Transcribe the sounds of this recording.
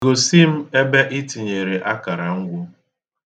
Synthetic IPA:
o˨si˦m̩˦e˦be˦ʔɪ˦ti˨ɲe˨ɾe˨ʔa˦ka˨ɾa˨ŋ̩˦ɡʷʊ˦

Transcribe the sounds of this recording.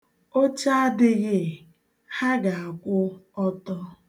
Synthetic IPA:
o˦t͡ʃa˦a˦dɪ˦ɣɪ˦˨ | ha˦ɡa˨a˨kʷʊ˦ɔ˦tɔ˦

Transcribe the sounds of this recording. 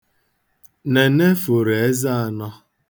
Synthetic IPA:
ne˨ne˦fʊ˨ɾe˨e˦za˦a˨nɔ˦

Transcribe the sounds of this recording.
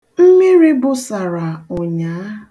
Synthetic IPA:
m̩˦me˦ɾi˦bʊ˨sa˨ɾa˨ʊ˨ɲaː˨˦

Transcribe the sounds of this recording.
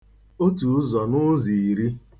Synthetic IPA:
o˦tu˨˦zɔ˨nʊ˦zi˨i˨ɾi˦

